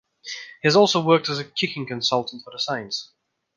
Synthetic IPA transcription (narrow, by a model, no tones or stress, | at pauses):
hiəzɔˑlˠsoʊwɜˑk̚təzəkʰɪkɪ̃ŋkə̃nsʌlˠtn̩tfəðəsãɪə̃ns